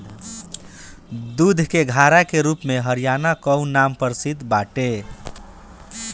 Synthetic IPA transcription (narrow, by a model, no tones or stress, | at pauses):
d̪ud̪ʱkeɡʱaɾakeɾupmeɦəɾijaːnakəwnampəɾsid̪baʈe